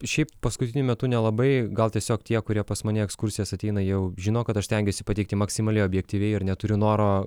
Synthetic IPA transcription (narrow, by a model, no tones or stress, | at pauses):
ʃʲɛɪppɐskʊt̪ʲɪnʲʊmʲɛt̪unʲɛlˠɐbɐɪɡɐlˠt̪ʲiɛsʲoːkt̪ʲiɛkʊɾʲiɛpɐsmɐnʲɛɛkskʊrʲsʲɪjɛsɐt̪ʲɛɪnɐjɛʊʒʲɪnoːkɐt̪ɐʃsʲt̪ʲɛŋʲɡʲesʲɪpɐtʲɛɪk̚t̪ʲɪmɐksʲɪmɐlʲɛɪoːbʲjɛk̚t̪ʲiːʋʲɛɪɪɾnʲɛt̪ʊɾʲɪnoːɾoː